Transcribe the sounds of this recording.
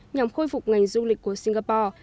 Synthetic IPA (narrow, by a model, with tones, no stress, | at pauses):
ɲa˨˩mxo˧jfu˨˩k͡p̚ŋa˨˩ŋzu˧lï˨˩k̚kːu˧˩əsi˧ŋɣaː˧pɔː˧˩